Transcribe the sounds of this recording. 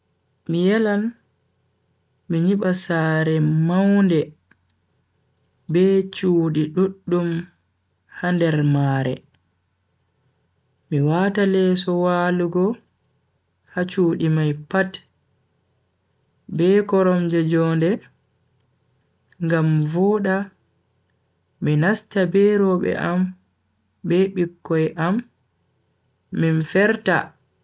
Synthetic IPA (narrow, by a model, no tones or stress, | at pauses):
mijɛlan | miɲiɓasaɾɛmawndɛ | bɛt͡ʃuːɗiɗuɗːum | handɛɾmaɾɛ̰ | miwatalɛsɔwaːluɡɔ | hat͡ʃuːɗimajpat | bɛkɔɾɔmd͡ʒɛd͡ʒɔːndɛ | ŋɡamvɔɗa | minastabɛɾɔɓɛ̰ʔam | bɛɓikːɔjʔam | infɛɾta̰